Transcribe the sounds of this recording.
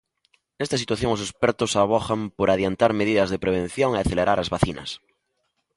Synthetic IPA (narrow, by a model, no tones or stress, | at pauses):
est̪asit̪waθjoŋosespeɾt̪osaβ̞oxampoɾaðjant̪aɾmeðiðazðepɾeβ̞ẽn̟θjoŋeaθeleɾʔaɾazβaθinɐ̰s